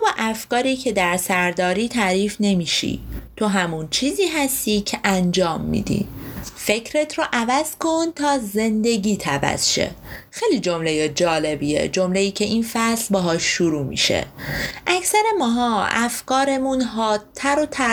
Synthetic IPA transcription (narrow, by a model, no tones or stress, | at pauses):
bɒːʔæfkɒːɾiːcʰe̞d̪æɾsæɾd̪ɒːɾiːt̪ʰæɾiːfne̞miːʃḭt̪ʰo̞ɦæmunt͡ʃʰiːziːɦæst̪iːcʰeʔænd͡ʒɒːmːḭːd̪ḭfe̞cʰɾe̞t̪ʰɾoʔævæz̥kont̪ʰɒːze̞nd̪e̞ɟiːt̪ʰævæ̰z̥ʃḛxejliːd͡ʒomlejed͡ʒɒːle̞biḛd͡ʒo̞mleiːcʰe̞ʔinfæslbɒɦɒːʃːuɾuːmḭʃḛʔæcʰsæɾe̞mɒːɦɒːæ̰fkɒːɾe̞munɦɒːt̪ʰːæɾot̪ʰæ